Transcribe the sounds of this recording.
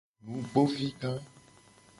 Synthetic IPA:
nũ˨˦ɡ͡bo˦vi˦ɡã˦

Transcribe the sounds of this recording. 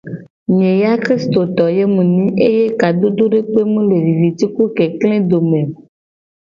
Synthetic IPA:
ɲẽ˨ja˦kɾi˦st̪o˨t̪ɔ˨je˦mũ˨nĩ˦e˦je˦ka˨d̪o˦d̪o˦ɖe˦k͡pe˦mũ˦le˨vi˨vi˨t̪i˦ku˦ke˨klẽ˦d̪o˨mẽ˨

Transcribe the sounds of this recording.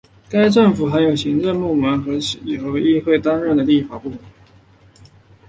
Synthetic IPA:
ka˥ɪʈ͡ʂɤ˥˩ŋfu˨˩xa˧˥njo˨˩ʊɕi˧˥ŋʈ͡ʂə˥˧pu˥˩mə˧˥nxɤ˧˥ɕi˨˩xo˧˥ʊi˥˧xwe˥˩ɪt̪ɑ˥nɻə˥˩nd̪ə˩li˥˩fa˨˩pu˥˩mə˧˥˦

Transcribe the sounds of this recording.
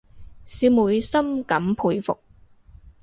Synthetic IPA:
siː˨˧wmuː˨˧jsɐ˥mkɐ˨˥mpʰuː˧jfʊ̰˨k̚

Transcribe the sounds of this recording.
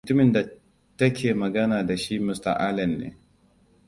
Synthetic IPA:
mʊ˨tʊ˦mɪ˨nda˨ | tɐ˦kʲʰeː˨mɐ˨ɡɐ˦naː˨da˨ʃi˦mʊ˦sta̰˨ʔa˦lɐ˨nːḛː˦

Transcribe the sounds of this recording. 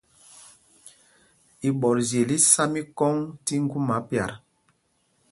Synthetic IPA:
i˨ɓɔ˨ɾzje˨li˦sa˦mi˦kɔ˦ŋti˦ŋ̩˦ɡu˦ma˨˦pja̰˨ɾ

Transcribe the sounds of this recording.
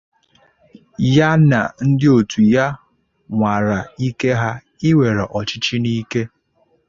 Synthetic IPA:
ja˦na̰˨n̩˦dɪ˦o˨tʰu˨ja˦ | ŋʷa˨ɾa˨i˦ke˦ɦa˦ | ɪ˦we˨ɾe˨ʔɔ˨t͡ʃɪ˦t͡ʃi˦ni˦ke˦

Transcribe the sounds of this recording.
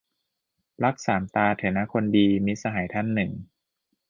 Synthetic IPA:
la˦˥k̚saː˩˦mt̪aː˧t̪ʰeː˩˦na˦˥kʰo˧ndiː˧mi˦˥sa˧ɦaː˩˦jt̪ʰa˦˥˩nːɯ˨˩ŋ

